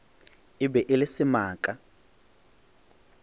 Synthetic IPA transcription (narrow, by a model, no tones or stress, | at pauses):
ɪbɛʔɪlɪsimaːkʼa